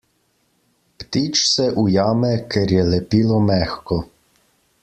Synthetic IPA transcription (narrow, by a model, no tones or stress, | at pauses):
pt̪iːt͡ʃsɛʔujaːmɛkɛɾjɛlɛpilɔmɛxkɔ